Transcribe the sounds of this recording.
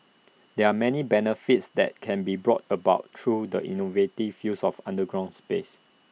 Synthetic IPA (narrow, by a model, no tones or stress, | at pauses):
dɛamɛnibɛnəfitsdɛ̰t̚kʰɛ̃nbibɹɔ̰tʰəbaʊttʰːɹudəʔḭnovetivjusɔfã̰ndəɡɹãʊ̃nspes